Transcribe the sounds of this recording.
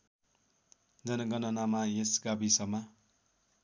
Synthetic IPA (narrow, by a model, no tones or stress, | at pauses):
d͡zʌnʌɡʌnʌnamajesɡabisʌma